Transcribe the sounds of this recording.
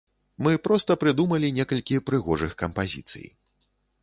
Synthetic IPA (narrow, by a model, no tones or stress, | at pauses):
mɨpɾɔst̪ɐpɾɨd̪umɐlʲinʲɛkɐlʲkʲipɾɨɣɔʐɨxkɐmpazʲḭt̪sɨ̰j